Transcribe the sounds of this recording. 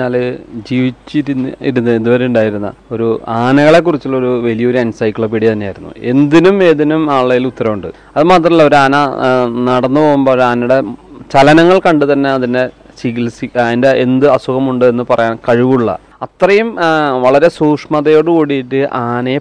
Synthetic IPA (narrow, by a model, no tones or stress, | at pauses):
ɲaːld͡ʑiːʋit͡ɕːiɾniɾunːɨend̪uʋɐɾeuɳɖaːjiɾunːɐ̰o̞ɾuaːnɐɣɐɭe̞k̬ːurit͡ɕːuɭːɐo̞ɾuʋɐlijɐo̞ɾuɐnsɐjkːlɭoːp̬iɽit̪ɐnːeaːjɾunːṵe̞nd̪inumeðinumaːɭːɐjilut̪ːɐɾɐmuɳɖɨ | ɐðɨmaːt̪̬rɐmiɭːɐo̞ɾuaːnɐnɐɽɐnːɨpo̞ːɣumboːɾaːnɐjuɽe̞t͡ɕɐlɐnɐŋːɐɭkɐɳɖɨt̪ɐnːe̞ɐðinde̞siɣilsiɐðindeʔend̪ɨɐsuɣɐmuɳɖɨe̞nːɨpɐrɐjaːnkɐɻiʋuɭːɐ̰ | ɐt̪rɐjumʋɐɭɐɾe̞suːkʂmɐðɐjo̞ːɽɨkuːɽiiʈːɨʔaːnɐje